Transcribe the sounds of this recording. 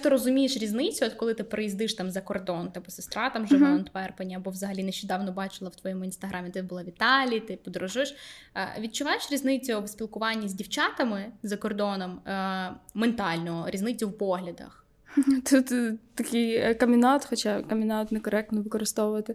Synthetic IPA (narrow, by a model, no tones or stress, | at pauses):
t̪ɪɾɔzʊmʲijeʃɾʲiznɪt͡sʲʊɔt̪kɔlˠɪt̪ɪpɾejizd̪ɪʃt̪ɑmzɐkɔrd̪ɔnt̪ɐbɔsɪ̥st̪ɾɑt̪ɐmʒɪʋɔɔnt̪ʋɛrpɐnʲːɐɐbɔʋzɐɦɐlʲinɛʃt͡ʃɛd̪ɑwnɔbɑt͡ʃɪlˠɐwt̪ʋɔjɔmʊinst̪ɐɦʔɑmʲɪt̪ɪbʊlˠaʋʲit̪ɑlʲit̪ɪpɔd̪ɔɾɔʒʊʃʋʲid̪̚t͡ʃʊʋɑjeʃɾʲiznɪt͡sʲʊbsʲpʲilˠkʊʋɑnʲːɐzʲdʲiwt͡ʃɑt̪ɐmɪzɐkɔrd̪ɔnɔm | ment̪ɑlʲnɔɦɔɾʲiznɪt͡sʲʊwpɔɦlʲɐd̪ɐ̰x | t̪ut̪t̪ɐkʲɪjkɐmʲinat̪xɔt͡ʃakɐmʲɪnat̪nɛkɔɾɛk̚t̪nɔʋɪkɔɾɪst̪ɔʊʋɐt̪ɪ